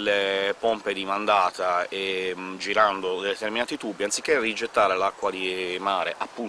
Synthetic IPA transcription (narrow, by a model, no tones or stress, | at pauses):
lːepomped̪imand̪aːt̪aed͡ʒiɾand̪od̪ed̪et̪erminaːt̪it̪ubːiant̪si̥kːerid͡ʒet̪ːaːɾelakːwad̪imaːɾeʔapːu